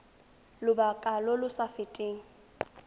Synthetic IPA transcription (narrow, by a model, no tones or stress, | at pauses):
lʊbakʼalɔlʊsafɪtʼeːŋ̩